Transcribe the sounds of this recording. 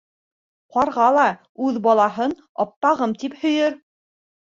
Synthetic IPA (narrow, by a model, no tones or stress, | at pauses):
qɑɾʁɑlˠɑ | ʉðbɑlˠɑɦɤn | ɑ̰p̚t̪ɑʁɤmt̪iphɵ̆jɘɾ